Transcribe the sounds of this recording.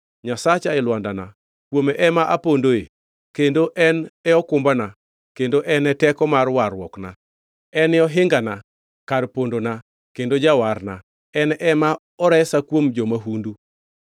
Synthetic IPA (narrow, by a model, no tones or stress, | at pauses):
ɲasat͡ʃaɛlwandana̰ | kwomɛʔɛmaʔapondoe | kendoʔɛnɛɔkʊmbana | kendoʔɛnɛtɛkɔmarwarwɔkna | ɛnɪɔɦɪŋɡana | karpondona | kendod͡ʒawarna | ɛnʔɛma | ɔɾɛsakwomd͡ʒomaɦundu